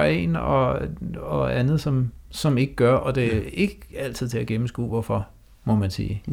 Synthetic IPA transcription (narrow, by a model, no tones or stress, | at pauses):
e̝̰nɒ̽ | ɒ̽ænð̞̩ˠsɒ̽msɒ̽me̝ɡ̥əɡ̥ɶɐʔɒ̽d̥e̝e̝ɡ̥æl̰t͡sʰiðˠt͡sʰe̝æɡ̥emm̩sɡ̥ṵːʋɒfɒ̽ | mɔ̽mænsḭː